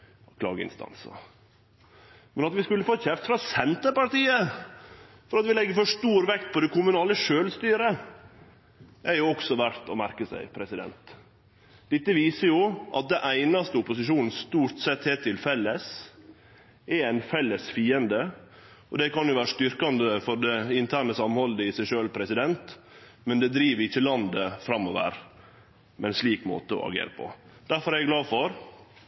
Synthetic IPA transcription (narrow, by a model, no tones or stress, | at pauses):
kʰlɑ̰ːɡəɪ̰nst̪ɑ̰nsɑ̰ | mɛnɑt̪ʋɪskʉlːəfoːçɛft̪fɾɑsɛnt̪əpɑɾʈ̪iːə | fɔɾɑt̪ʋɪlɛɡːəfɔʂt̪uːɾʋɛkt̪̚pʰɔd̪ɛkʊmʉnɑːləʂøːlst̪yːɾə | æɾjʊɔksɔʋæɾt̪ɔmæɾkəsæ̰ɪpʰɾɛsɪd̪ɛ̰nt̪ | d̪̥ɪt̪ːəʋiːsəɾjʊʔɑ̰t̪̚d̪ɛnʔæɪnɑst̪əʊpʊsɪʂuːnn̩st̪uːɾʈsɛt̪heːt̪ʰːɪlfɛlːəs | ɛæɪnfɛlːəsfiːənd̪ə | ɔd̪ɛkɑnjʊʋæːɾəʂt̪ʏɾkɑnd̪əfɔɖ̪ɛɪnt̪ʰæːɳəsɑmhɔld̪əɪsæɪʂøːlpʰɾɛsɪd̪ɛnt̪ | mɛnd̪ɛd̪ɾiːʋəɾɪçːəlɑnd̪əfɾɑmːɔʋə̰ɾ | mɛɛnsliːkmo̰ːt̪əɔ̰ɑ̰ɡḛːɾəpʰɔ̰d̪̥æɾfɔɾæɡlɑːfɔɾ